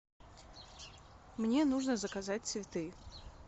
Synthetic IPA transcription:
mnʲenuʐnəzəkazatʲsʲvʲɪt̪ɨ

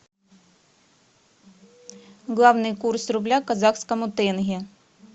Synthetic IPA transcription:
ɣlˠɑwnɨjkursrʊblʲakɐzaxskɐmʊt̪ɛnɦʲi

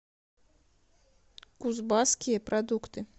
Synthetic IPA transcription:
kuzbɑskʲijəpɾɐd̪ukt̪ɨ

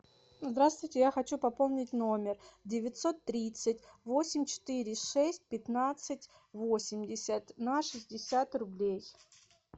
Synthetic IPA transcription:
zd̪ɾast̪vʊjtʲɪjaxɐt͡ɕupɐpo̞lˠnʲɪtʲno̞mʲɪrdʲɪvʲɪt̪ʲso̞t̪ːɾʲit̪sɨtʲvo̞sʲɪmʲt͡ɕɪ̥t̪ɨɾʲɪʂɛsʲt̚ʲpʲɪt̪nat̪sɨtʲ | vo̞sʲɪmʲdʲɪsʲət̪nɐʂɨzʲdʲɪsʲat̪rʊblʲej

